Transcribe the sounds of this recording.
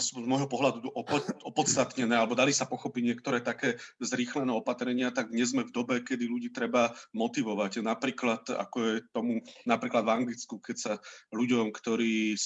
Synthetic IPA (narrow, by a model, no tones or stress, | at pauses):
suzmɔjɦɔpɔɦlad̪uɔpɔpɔt̪t͡st̪at̪ɲɛnɛːalɛbɔd̪alisapɔxɔpiɟɲɪɛkt̪ɔɾɛːt̪akɛːzɾiːxlɛnɛːɔpat̪ɾɛɲɪat̪aɡ̚ɲɛzmɛvd̪ɔbɛkɛd̪iluɟiːt̪ɾɛbamɔt̪iʋɔʋacnapɾiːklat̪a̰kɔɛt̪ɔmunapɾiːklad̪vaŋɡlit͡skukɛcsaluɟɔmkt̪ɔɾiː